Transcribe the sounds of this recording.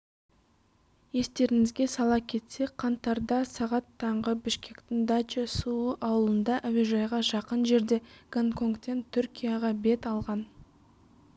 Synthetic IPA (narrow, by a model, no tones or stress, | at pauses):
je̞st̪e̞ɾɪŋɪzɡʲe̞sɑlˠɑkʲʰe̞t̪se̞kqʰɑnt̪ɑɾd̪ɑsɑʁɑt̪ʰːɑɴʁəbɪʃkʲe̞kt̪ɪŋd̪at͡ʃesuəʔɑwəlˠənd̪ɑʔæwiʒɑjʁɑʒɑqənʒe̞ɾd̪e̞ɡ̥oŋkʰo̞ŋkt̪ːe̞nt̪ʰʏɾkʲijɑʁɑbe̞t̪ɑlˠʁɑn